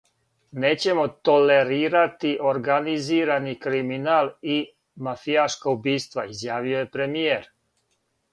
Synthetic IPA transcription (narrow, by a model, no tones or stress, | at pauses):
neːt͡ɕe̞mo̞t̪o̞le̞ɾiːɾat̪iʔo̞ɾɡaniziːɾanikɾiminaːli | mafijaʃkaubiːst̪ʋa̰izjaːʋiojepɾe̞mijeɾ